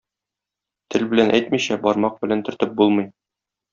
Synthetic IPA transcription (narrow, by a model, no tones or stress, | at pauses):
t̪ʰɘlbɘ̆lænʔæ̰jt̪miɕæbɒɾmɑq̚bɘ̆lænt̪ɵ̆ɾt̪ɘp̚bulˠmɤ̆j